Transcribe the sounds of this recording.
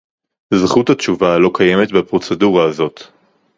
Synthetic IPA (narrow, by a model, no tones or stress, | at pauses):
zχuthatt͡ʃuvalo̞kaje̞me̞t̪bepʁo̞t͡se̞duʁaːzo̞t̪